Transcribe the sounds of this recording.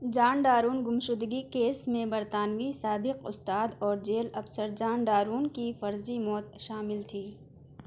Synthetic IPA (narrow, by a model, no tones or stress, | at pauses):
d͡ʒaːnɖaːɾuːnɡʊmʃʊd̪ɡikeːsmẽbɐɾt̪aːnwisaːbɪqʊ̰st̪aːd̪ɔːɾd͡ʒeːlɐfsəɾd͡ʒaːnɖaːɾuːnkifɐɾzimɔːt̪̚ʃaːmɪlt̪ʰiː